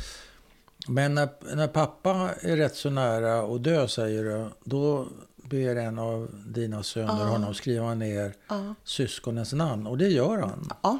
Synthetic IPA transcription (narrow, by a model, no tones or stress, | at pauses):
mɛnːænæɾpʰapːaæ̰ɾɛt̪ːsɔnæːɾaɔd̪øːsɛjːəɖɵd̪ɔbeːɾɛnːavd̪iːnasøːnəɾɦɔnːɔmskɾiːvaneːɾsʏskɔnənsnamnɔd̪ɛjœːɾha̰n